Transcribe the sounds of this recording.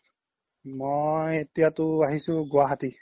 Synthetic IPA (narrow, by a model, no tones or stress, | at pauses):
mojet̪ijat̪uaɦisuɡuaɦat̪i